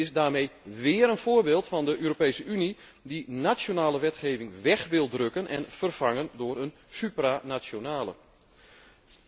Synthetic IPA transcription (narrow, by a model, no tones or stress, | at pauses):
ɪsdaːrmejʋɪəɾənfʊːərbeːlˠtfɑndəʔøːɾopejsəyni | dinasjonaːləʋɛtχeːvɪŋʋɛxʋɪlˠdrøkənɛ̰nfərfaŋəndʊːɾən | sypranasjonaːlə̰